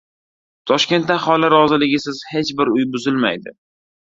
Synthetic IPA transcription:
t̪ʰɒʃkʲe̞nt̪d̪aχɒlaɾɒzɪlɪɡʲɪsɪzhe̞t͡ʃbɪɾʊjbʊzɪlma̰jd̪ɪ̰

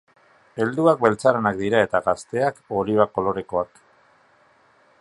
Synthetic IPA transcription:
e̞ld̪uak̚be̞lt͡saɾenak̚d̪iɾae̞t̪aɣast̪e̞ako̞liβ̞ako̞lo̞ɾe̞ko̞ak

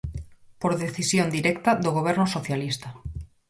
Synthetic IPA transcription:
poɾðeθisjõnd̪iɾɛkt̪aðoɣ̞oβ̞ɛɾnosoθjalist̪a

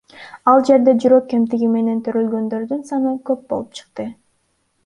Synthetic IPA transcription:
ɑlˠd͡ʒe̞ɾd̪e̞d͡ʒyɾø̞kːe̞mt̪iɡime̞ne̞nt̪ʰøɾølɡø̞nd̪ø̞ɾd̪ynsɑnɯkø̞p̚bo̞̰lˠupt͡ʃʰɯ̥q̚t̪ɯ

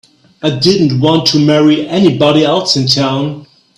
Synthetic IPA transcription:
aɪdɪdⁿn̩t̚wɑ̃ntʰɨmɛɹiʔɛnibɑɾiɛlˠsɨ̃ntʰãʊ̃n

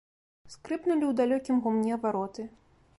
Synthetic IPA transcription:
skɾɨpnulʲiwd̪alʲɔkʲimɣumnʲɛvaɾɔt̪ɨ

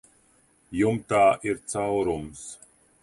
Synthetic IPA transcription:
jumt̪aːʔiɾt̪sawɾums

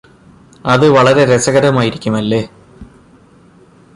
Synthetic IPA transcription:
ɐðɨʋɐɭɐɾe̞ɾesɐɣɐɾɐmaːjiɾikʲːumɐlːe̞ː

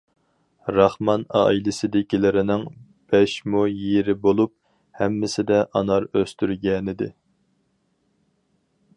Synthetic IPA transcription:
ɾɑχmɑnɑ̰ːilɪsɪd̪ɪkʲilɪɾɪnɪŋ | b̥ɛʃmujeɾɪbolˠup̚ | hɛmːɪsɪd̪ɛʔɑnɑɾøst̪yɾɡʲɛnɪd̪ɪ̰

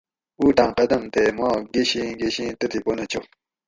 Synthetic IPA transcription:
uːʈ̪ãːqɐd̪ɐmt̪emãːɡeɕĩɡeɕĩːt̪ət̪iponɐt͡ɕo

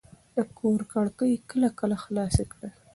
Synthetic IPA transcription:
d̪̥əkʰoɾkaɽkəjkəlakəlaxlɑsekɽə

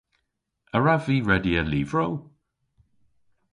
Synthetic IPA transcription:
əɹaviːɹɛdiəliːvɹow

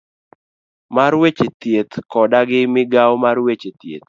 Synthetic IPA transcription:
maɾwet͡ʃet̪jet̪kɔdaɡɪmɪɡawmarwet͡ʃet̪jḛt̪

